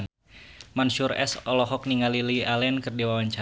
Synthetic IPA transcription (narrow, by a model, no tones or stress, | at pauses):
n | mansuɾɛ̰sɔlɔɦɔk̚niŋalilialɛnkɨrdiwawaɲt͡ʃa